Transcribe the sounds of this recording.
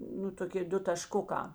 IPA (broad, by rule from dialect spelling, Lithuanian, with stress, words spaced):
nʊ toːˈkʲɪ ˈdʊ tɐʃˈkʊkɑː